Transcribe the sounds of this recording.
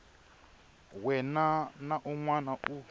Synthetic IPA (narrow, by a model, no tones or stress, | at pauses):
wɛnanaʔɔŋwanaʔu